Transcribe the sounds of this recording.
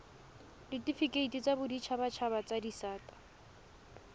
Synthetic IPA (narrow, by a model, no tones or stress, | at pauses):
ditʼifikʼeitit͡sʼabʊdit͡ʃʰabat͡ʃʰabat͡sʼadisaːtʼḁ